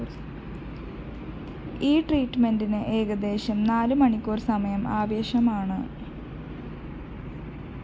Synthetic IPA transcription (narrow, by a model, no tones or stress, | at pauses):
iːʈriːʈːme̞ndinɨʔe̞ːɣɐd̪e̞ːɕɐmnaːlɨmɐɳikʲːuːrsɐmɐjɐmaːʋeːɕɐmaːɳɨ